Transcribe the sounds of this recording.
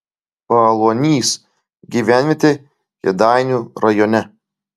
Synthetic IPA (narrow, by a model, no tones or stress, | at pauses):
pɐlˠuɔnʲiːs | ɡʲiːʋʲæːnʲʋʲet̪ʲe | jʲɛ̰d̪ɑˑɪnʲuːɾɐjɔnʲɛ